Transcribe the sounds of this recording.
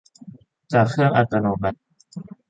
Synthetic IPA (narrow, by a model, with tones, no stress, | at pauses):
t͡ɕaː˨˩kʰːɯ˥˩əŋʔa˧t̪a˧noː˧ma˨˧˩t̚